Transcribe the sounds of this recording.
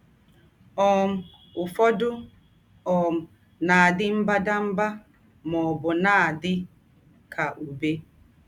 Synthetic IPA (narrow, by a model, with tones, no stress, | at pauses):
ɔː˨m | u˨fɔ˦du˦ | ɔː˨m | naː˨di˦m̩˦ba˦da˦m˦ba˦ | mɔ˨bɔ˨naː˦˨di˦ | kʰa˨ʔu˨be˦